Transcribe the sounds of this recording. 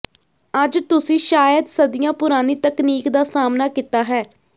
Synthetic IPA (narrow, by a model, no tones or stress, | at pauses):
əd͡ʒt̪ʊsĩːʃaːjəd̪səd̪ɪjãːpʊɾaːniːt̪əkniːkd̪aːsaːmnaːkɪt̪aːɦɛː